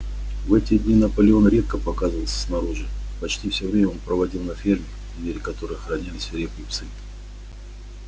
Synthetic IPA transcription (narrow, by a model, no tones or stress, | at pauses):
vɛtʲɪdʲnʲinəpəlʲɪo̞nɾʲe̞t̪̚kəpɐkazəvəlˠsʲə̥snɐɾuʐɨpɐt͡ɕtʲifsʲɵvɾʲemʲɛo̞npɾəvɐdʲilˠnɐfʲermʲɪ | vmʲeɾʲɪkɐt̪o̞ɾɨjxɾɐnʲilʲɪsʲɾʲepkʲɨp̪sɨ